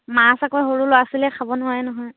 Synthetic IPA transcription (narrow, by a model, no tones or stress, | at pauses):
masakɔjɦoɹuloasilɛkʰabɔnʊɦaɛnɔɦɔj